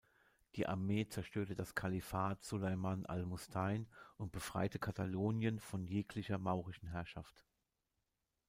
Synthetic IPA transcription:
d̥iːʔa̰ɐmeːt͡sɛɐʃtøːɐtədaskʰalifaːtz̥ulaɪmanʔa̰lmʊstʰaɪnʔʊnt̚b̥əfʁ̥a̰ɪtəkʰataloːnjənfɔnjeːkʰlɪçɐmaʊʁɪʃn̩ɦɛɐʃaft

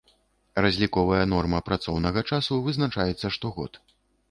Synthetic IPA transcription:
razʲlʲikɔvɐjɐnɔrmɐpɾat̪sɔwnɐɣɐt͡ʂasuvɨznat͡ʂajɛt̪sːɐʂt̪ɔɣɔ̰t̪

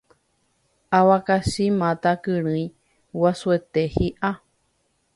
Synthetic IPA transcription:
awakasimãt̪akɨɾ̃ɨ̃j̃ | wasuet̪ehiʔa

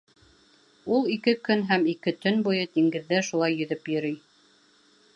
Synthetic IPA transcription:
ulˠikɘkɵnɦæmikɘt̪ɵnbujɤd̪iŋɡɘ̆ðːæʃulˠɑjːɵ̆ðɵpjɵ̆ɾɘj

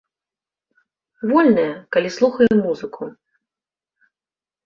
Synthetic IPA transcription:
vɔlʲnɐjɐkalʲislˠuxɐjɛmuzɨkʰu

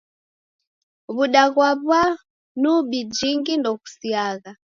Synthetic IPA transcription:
βuɗaɣwaβwa | nuɓid͡ʒiŋɡindɔku̥siaɣa

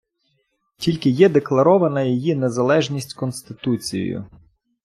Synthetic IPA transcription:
tʲilʲkɪjɛd̪eklˠɐɾɔʋɐnɐjijinezɐlˠɛʒnʲisʲtʲkɔnst̪ɪt̪ut͡sʲḭjḭjʊ̰

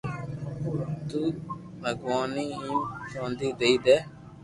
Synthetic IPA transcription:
t̪uː | bʱəɡʋaːniːĩːsõːnd̪iːd̪eiːd̪eː

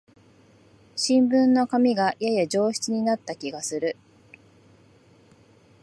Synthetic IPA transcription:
ɕĩmbɯ̟̃nːo̞kamʲiɡajajad͡ʑo̞ːɕi̥t͡sɨɲ̟inat̪ːakʲiɡasɨɾɯ̟

